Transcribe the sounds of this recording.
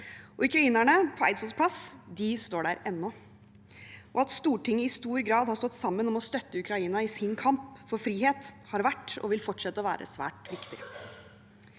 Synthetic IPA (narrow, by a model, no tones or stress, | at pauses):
ɔʉkɾɑiːnæɳəpʰɔæ̰ɪt̪sɔspʰlɑsd̪ɪst̪oːɖæːɾɛnːɔ | ʔɔɑt̪st̪uːʈʰɪŋːəɪst̪uːɾɡɾɑːd̪hɑɾst̪ɔt̪ːsɑmːənɔmɔst̪œt̪ːəʉkʰɾɑiːnɑɪsɪnkʰɑmpfɔɾfɾiːheːt̪hɑɾʋæʈːɔ̰ʋɪlfɔʈʂɛt̪ːəʋæ̰ːɾʔə̰sʋæ̰ːʈʋɪkt̪ɪ